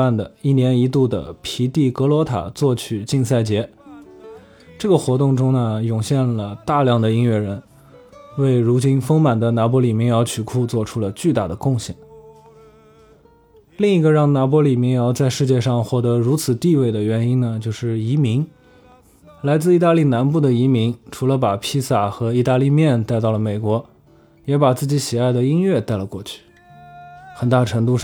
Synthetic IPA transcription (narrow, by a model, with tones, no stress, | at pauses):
a˥˩nd̪ə˩i˥˩njɛ˧˥ni˧˥t̪u˥˩d̪ə̰˩pʰi˧˥t̪i˥˩kɤ˧˥lwɔ˧˥t̪ʰa̰˨˩t͡swɔ˥˩t͡ɕʰy˨˩t͡ɕi˥˧ŋsa˥˩ɪt͡ɕjɛ˧˥ | ʈ͡ʂɤ˥˩ɡə˩xwɔ˧˥t̪ʊ˥˩ŋʈ͡ʂʊ˥ŋnə˨jʊ˨˩ŋɕjɛ˥˩nlə˩t̪a˥˧ljɑ˥˩ŋd̪ə˩i˥ŋɥɛ˥˩ɻə˧˥n | we˥˩ɪɻu˧˥t͡ɕi˥nfɤ˥ŋma˨˩nd̪ə˦na˧˥pwɔ˧˥li˨˩mi˧˥ŋjɑ˧˥ʊt͡ɕʰy˨˩kʰu˥˧t͡swɔ˥˧ʈ͡ʂʰu˥lə˨˧t͡ɕy˥˧t̪a˥˩d̪ə˩kʊ˥˧ŋɕjɛ̰˨˩n | li˥˩ŋi˧˥ɡə˧ɻɑ˥˩ŋna˧˥p̬wɔ˧˥li˨˩mi˧˥ŋjɑ˧˥ʊt͡sa˥˧ɪʂɻ̩˥˧t͡ɕjɛ˥˧ʂɑ˥˧ŋxwɔ˥˩t̪ɤ˧˥ɻu˧˥t͡sʰɹ̩˨˩t̪i˥˧we˥˩ɪd̪ə˩ɥɛ˧˥ni˥nnə˨t͡ɕjo˥˧ʊʂɻ̩˥˩i˧˥mi˧˥ŋ | la˧˥ɪt͡sɹ̩˥˧i˥˧˩t̪a˥˧li˥˩na˧˥npu˥˩d̪ə˩i˧˥mi˧˥ŋʈ͡ʂʰu˧˥lə˧pa˨˩pʰi˥sa˨˩xɤ˧˥i˥˧t̪a˥˧li˥˧mjɛ˥˧nt̪a˥˧ɪt̪ɑ˥˩ʊlə˩me˨˩ɪkwɔ˧˥ | jɛ˧˥pa˨˩t͡sɹ̩˥˩t͡ɕi˧˥ɕi˨˩a˥˩ɪd̪ə˩i˥nɥɛ˥˧t̪a˥˩ɪlə˩kwɔ˥˧t͡ɕʰy̥˥˩ | xə˨˩nt̪a˥˩ʈ͡ʂʰɤ˧˥ŋt̪u˥˧